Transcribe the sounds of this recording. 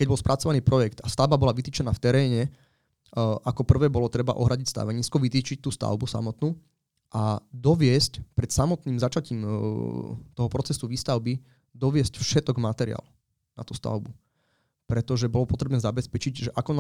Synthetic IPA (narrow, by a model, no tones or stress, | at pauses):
kɛɟbɔlspɾʔat͡sɔʋaniːpɾɔjɛkt̪ast̪aʊbabɔlaʋit̪iːt͡ʃɛnaːft̪ɛɾɛːɲɛ | ʔakɔpr̩ʋɛːbɔlɔt̪ɾɛba̰ʔɔɦɾaɟicst̪a̰ʋɛɲiːskɔʋit̪iːt͡ʃic̚t̪uːst̪a̰ʊbusa̰mɔt̪nuː | ʔad̪ɔʋɪɛscpɾɛt̪samɔt̪niːmzat͡ʃaciːm | t̪ɔɦɔpɾɔt͡sɛsuʋiːst̪aʊbi | d̪ɔʋɪɛscfʃɛt̪ɔɡmat̪ɛɾḭa̰ːl | na̰t̪uːst̪a̰ʊbu | pɾɛt̪ɔʒɛbɔlɔpɔt̪ɾɛbnɛːzabɛspɛt͡ʃiɟʒɛʔakɔn